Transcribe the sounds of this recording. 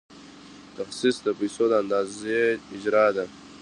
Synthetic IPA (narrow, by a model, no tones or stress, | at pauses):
t̪axsisd̪əpajsod̪əand̪ɑːzeɪd͡ʒɾɑd̪a